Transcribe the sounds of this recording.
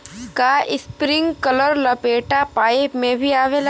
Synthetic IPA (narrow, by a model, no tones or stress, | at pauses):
kaʔɪspɾɪ̃ŋɡkələɾlɐpeːʈapaːemẽbʱiaːʋel